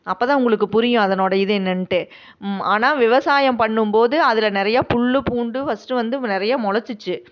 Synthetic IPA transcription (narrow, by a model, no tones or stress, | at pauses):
ɐpːoːt̪ãːʊŋɡɐɭɯkːɯpʊɾɪjʊ̃ɐðɐnoːɽɐɪðɯɛnːɐnʈe | aːnaːʋɪʋɐsaːjɐmpɐɳːɯmpoːðɯɐðɪlɐnɪɾɐjaːpʊɭːɯpuːɳɖɯfɐsʈːɯʋɐnd̪ɯnɪɾɐjaːmʊlɐt͡ʃːɯt͡ʃːɯ